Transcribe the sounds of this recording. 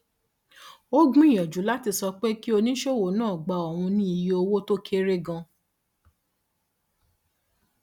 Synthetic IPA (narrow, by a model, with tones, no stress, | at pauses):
o˦ɡ͡bũ˦i˦˨j̃ɔ̃˨d͡ʒu˨˦la˦ti˧sɔ˧k͡pe˦ki˦o˧nĩ˦ʃe˦˨wo˨˦nãː˦˨ɡ͡ba˨ɔ˨wũ˧nĩ˦i˨je˧o˧wo˦to˦kʰe˦ɾe˦ɡã˧